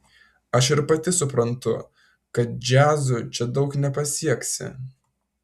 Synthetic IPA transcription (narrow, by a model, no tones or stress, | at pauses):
ɐʃɪɾpɐt̪ʲɪsʊpɾɐnt̪ʊ | kɐt̪̚d͡ʒʲæːzʊt͡ʃʲɛd̪ɒʊknʲɛpɐsʲiɛksʲɪ̰